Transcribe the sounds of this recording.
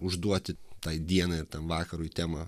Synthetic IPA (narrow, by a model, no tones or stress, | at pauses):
ʊʒd̪uɔt̪ʲɪt̪ɑɪd̪ʲiɛnɐːɪɾt̪ʲɛnʋɑːkɐɾʊit̪ʲæːmɐ